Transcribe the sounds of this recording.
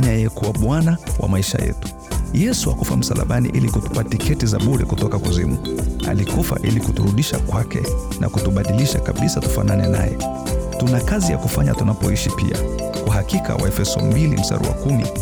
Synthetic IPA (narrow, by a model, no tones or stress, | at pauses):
ɲajɛkuwaɓwanawʔa̰maiʃajɛ̰tu̥ | jɛsuakufam̩salaɓanḭʔilikutu̥patikɛtizaɓuɾɛkutɔkakuzimualikufa̰ʔilikutuɾuɗiʃakwakɛ | na̰kutuɓaɗiliʃakaɓisatu̥fa̰nanɛna̰jɛ | tunakazijakufaɲatunapɔiʃipia | kwaɦakikawaɛfɛsɔmbilḭm̩sa̰ɾṵa̰kumḭ